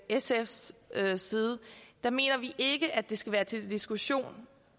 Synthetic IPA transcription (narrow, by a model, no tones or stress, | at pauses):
esefssiːð̞ˠəd̥ɑ̈me̝̰ːnɐʋiʔe̝ɡ̥əʔæd̥e̝sɡ̥æʋæːɐt͡sʰe̝ld̥isɡ̥uɕo̝̰ːn